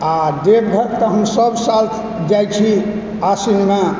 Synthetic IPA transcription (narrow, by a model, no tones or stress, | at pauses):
ad̪ebɡʱəɾt̪ɔɦəmsəbsalt̪ʰ | d͡ʒajt͡ʃʰi | asinma